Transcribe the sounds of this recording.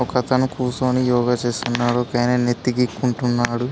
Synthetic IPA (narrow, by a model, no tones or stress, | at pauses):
kɐt̪ɐnukuːsoːnijɔːɡɐt͡ʃeːst̪unːaːɽoːkɐjnɐnet̪ːiɡikːuɳʈunːaːɽu